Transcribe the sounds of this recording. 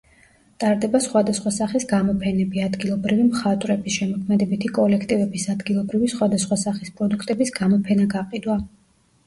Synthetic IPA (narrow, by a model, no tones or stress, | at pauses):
t̪ʼaɾd̪ɛbasχwad̪asχwasaχisɡamɔpʰɛnɛbiad̪ɡilˠɔbɾivimχat̪ʼwɾɛbisʃɛmɔkʰmɛd̪ɛbit̪ʰikʼɔlɛkʰt̪ʼivɛbisad̪ɡilˠɔbɾivisχwad̪asχwasaχispʼɾɔd̪ukʰt̪ʼɛbisɡamɔpʰɛnaɡaqʼid̪wa